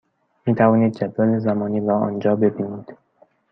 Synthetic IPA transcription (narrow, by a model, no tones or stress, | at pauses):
miːt̪ʰævɒːniːd̪̚d͡ʒæd̪vælezæmɒːniːɾaɒ̰ːnd͡ʒɒːbe̞biːniːd̪̥